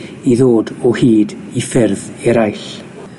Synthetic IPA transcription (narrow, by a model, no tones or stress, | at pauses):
iðoːdɔhiːd | ifɪrð | ɛɾajɬ